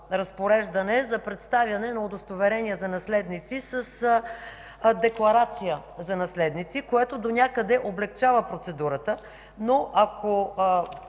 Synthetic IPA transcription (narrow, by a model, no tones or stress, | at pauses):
ɾɐspoɾɛʒd̪ɐnɛzɐpɾɛt̪st̪avʲjɐnɛnɐod̪ost̪ovɛɾɛnʲiəzɐnɐslɛd̪nit̪sisəs | d̪ɛklˠɐɾat̪sijəzɐnɐslɛd̪nit̪sikoɛt̪od̪onʲakəd̪ɛʔoblɛkt͡ʃavəpɾot̪sɛd̪uɾət̪ə | noʔakʰo